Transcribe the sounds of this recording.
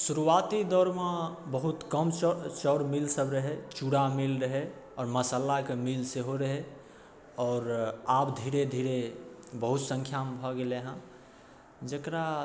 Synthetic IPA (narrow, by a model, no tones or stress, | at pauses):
suɾuat̪id̪ɔɾmẽbəɦut̪kəmt͡ʃɔɽmilsəbɾəɦɛt͡ʃuɽamilɾəɦeɔːɾməsalakemilseɦoɾəɦe | ɔːɾabd̪ʱiɾed̪ʱiɾe | bəɦut̪sə̃ŋkʰjambʱɔɡeleɦã | d͡ʒəkɾa